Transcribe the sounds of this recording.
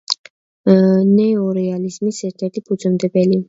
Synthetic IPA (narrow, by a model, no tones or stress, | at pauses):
nɛɔɾɛalizmisɛɾt̪ʰɛɾt̪ʰipʰud̪zɔmd̪ɛbɛli